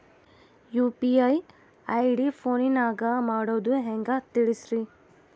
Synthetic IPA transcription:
juːpiaj | ɐjɖipʰoːninaːɡamaːɽoːd̪ueɦɛŋɡat̪iɭisɾi

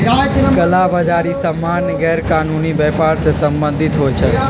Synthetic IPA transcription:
kəlabəd͡ʒaɾisəmːanɡɛɾkaːnuniʋɛpaɾsesəmbə̃nd̪ʱɪt̪ɦojt͡ʃʰɛ

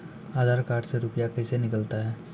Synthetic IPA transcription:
aːd̪ʱaːɾkaːʈseɾʊpjakəjsenɪkəlt̪aɦɛː

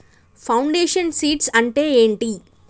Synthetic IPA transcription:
pʰɐwɳɖeːʂɐnsiːʈsɐɳʈe̞ːeːɳʈi

